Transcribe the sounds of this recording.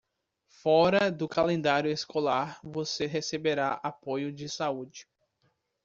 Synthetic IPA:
fɔɾɐd̪ʊkalẽnd̪aɾjʊeskolaɾvoseɦesebeɾaapojʊd͡ʒɪsaud͡ʒɪ

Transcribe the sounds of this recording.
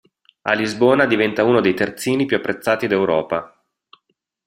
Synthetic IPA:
a̰lizboːnad̪ivɛnt̪auːnod̪ejt̪ert̪siːnipjuapːɾʔet̪sːaːt̪id̪ewɾɔ̰ːpa

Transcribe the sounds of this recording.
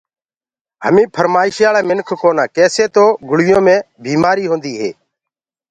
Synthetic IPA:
hə̰mĩːpʰəɾmaːɪʃjaːlaːmɪnkʰkoːnãːkeːseːt̪oːɡʊɽʋɪjõːmẽː | bʱiːmaːɾiːɦõːnd̪iːɦḛː

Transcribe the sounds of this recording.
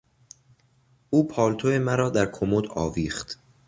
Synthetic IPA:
ʔuːpʰɒːlt̪ʰoe̞mæɾɒːd̪æɾkʰomod̪ɒ̰ːviːxt̪

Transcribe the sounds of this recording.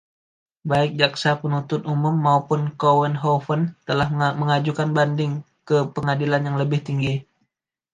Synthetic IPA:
baɪk̚d͡ʒaksapənut̪ʊt̪umʊmːaupʊnkowənɦofənt̪əlahməŋad͡ʒukanbandɪŋ | kəpəŋadilanjaŋləbɪht̪iŋɡi

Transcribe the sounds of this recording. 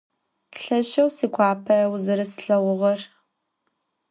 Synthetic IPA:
ɬɐʃɐwsiːkʷʰɑːpʰɐɐwzɨɾɐsɨ̥ɬɐwʊʁɐr

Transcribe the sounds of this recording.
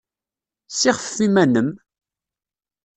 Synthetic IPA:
siʁəffːimænəm

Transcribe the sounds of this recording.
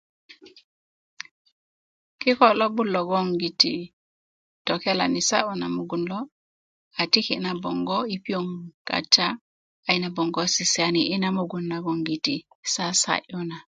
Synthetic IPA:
kikɔlobulːɔɡoŋɡitḭ | tɔkɛla̰nisaʔunamuɡunlɔ | atikinabɔŋɡɔipioŋka̰ta | ajnabɔŋɡɔsisianiʔinamuɡunːaɡoŋɡiti | sasa̰ʔuna

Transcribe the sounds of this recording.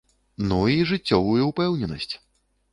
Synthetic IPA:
nuiʐɨt͡sʲːɔvujuupɛwnʲɛnɐsʲt͡sʲ

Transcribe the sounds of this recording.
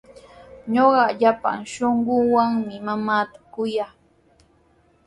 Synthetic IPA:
ɲoɢɑʎapa̰ŋʃoɴɢʊŋwaŋmɪmamaːt̪ḁkʊjaː

